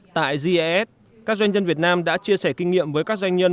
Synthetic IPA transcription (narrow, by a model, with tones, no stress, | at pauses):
t̪a̰ː˧˨jzi˧ʔɛ˦˥t̚ | kaː˦˥k̚za˧jɲə˧nvət̚naː˧mɗa̰ː˧˥t͡ɕi˧əsɛ˧˩kï˧ŋ̟ŋḭ˧˨əmvəː˨˦jkaː˦˥k̚zwa˧jŋ̟ɲə˧n